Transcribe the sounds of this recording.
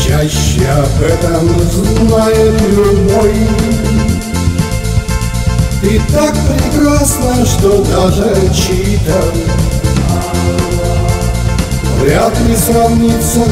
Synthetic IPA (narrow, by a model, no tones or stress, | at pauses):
t͡ɕaɕːɪɐbɛt̪əmʊznajɪt̪lʲʊnoj | t̪ɨt̪akpɾʲɪkɾasnəʂt̪od̪aʐɨt͡ɕit̪ə | vɾʲat̪lʲɪsrɐvnʲit̪sːə